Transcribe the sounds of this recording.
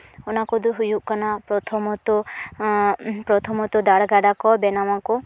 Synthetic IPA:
ɔnakɔd̪ɔɦujuʔkanapɾɔt̪ʰɔmɔt̪ɔ | pɾɔt̪ʰɔmɔt̪ɔd̪aɽɡaɖakɔbɛnamakɔ

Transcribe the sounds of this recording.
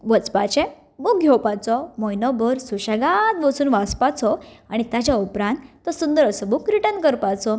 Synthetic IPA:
ʋət͡spat͡ɕɛ̃ | buk̚ɡʱjɔwpat͡sɔmɔjnɔbəɾsuɕaɡat̪ʋəsuːnʋaspat͡sɔaɽ̃it̪at͡ɕjaupɾãnt̪ːɔsund̪əɾəsəbukɾiʈənkəɾpat͡sɔ

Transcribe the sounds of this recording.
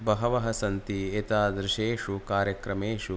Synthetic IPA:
bɐɦɐʋɐɦɐsɐnt̪ieːt̪aːd̪ɾɪʃeːʂukaːɾjɐkɾɐmeːʂu

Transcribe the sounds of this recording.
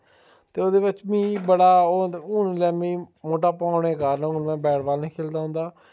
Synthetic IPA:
t̪eːoːd̪eːʋɪt͡ʃmĩːbəɽaːoːuːnlɛːmĩːmoːʈaːpãːʊɽeːkaːɾnːũːnmɛ̃ːbɛːʈʋaːlnĩːkʰeːld̪aːɦʊ̃nd̪aː

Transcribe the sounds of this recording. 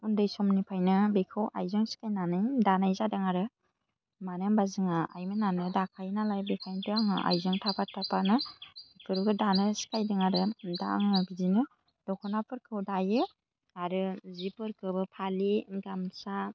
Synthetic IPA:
undɯjsɔmnipʰajnɯbekʰɯwʔa̰jzɯŋsi̥kajnanɯjdanajzadɯŋaɾɯ | manembazɯŋaʔa̰jmɯnanɯdakʰajnalajbepʰajntɯaŋɯʔa̰jzɯŋtʰapʰatʰapʰanɯekʰɯɾuɡɯdanɯsi̥kajdɯŋaɾɯda̰ŋɯbizinɯ | d̥ɔkʰɔnapʰɯɾkʰɯwdajɯ | aɾɯzipɯɾkʰɯbɯpʰaliɡamsa

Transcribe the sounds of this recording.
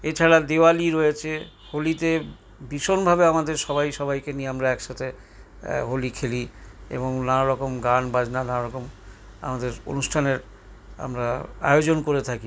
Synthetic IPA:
et͡ɕʰaɽad̪ewaliɾojet͡ɕʰe | holit̪e | biʃonbʱabeamad̪eɾʃɔbajʃɔβajkenieamɾaɛkʃat̪ʰe | ɦolikʰeliḛboŋnaɾɔkomɡanbad͡ʑnanaɾɔkom | a̰mad̪eɾo̰nuʃʈʰaneɾ | a̰mɾaa̰jod͡ʑonkoɾet̪ʰaki

